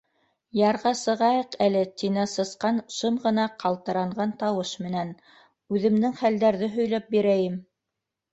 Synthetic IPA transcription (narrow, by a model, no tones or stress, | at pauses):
jɑɾʁɑsɤ̆ʁɑjɤqælɘt̪inæsɤ̆sqɑnʃɤmʁɤ̆nɑqʰɑlˠt̪ɤ̆ɾɑɴʁɑnt̪ɑwɤʃmɘ̆næn | ʉðɘ̆md̪ɘŋχæld̪æɾðɘɦɵ̆jlæp̚biɾæjɘm